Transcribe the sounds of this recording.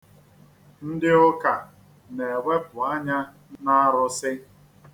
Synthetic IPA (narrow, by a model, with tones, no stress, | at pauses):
n̩˦dɪ˦ʊ˦ka˨ | ne˨we˦pʊ˨a˦ɲa˦ | na˦ɾʊ˦sɪ˦